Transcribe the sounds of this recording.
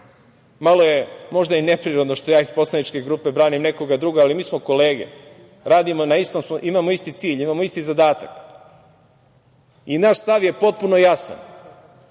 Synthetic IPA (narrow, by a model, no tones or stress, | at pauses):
malo̞je̞mo̞ʒd̪aine̞pɾiɾod̪no̞ʃt̪o̞jaːispo̞slanit͡ʃke̞ɡɾuːpe̞bɾaːnimne̞ko̞ɡad̪ɾuːɡoalimiːsmo̞ko̞le̞ːɡe̞̰ | ɾaːd̪imonaist̪omsmoʔimamoist̪it̪siːʎimaːmo̞ist̪izad̪aːt̪ak | inaʃst̪aʋje̞po̞t̪̚punojasa̰n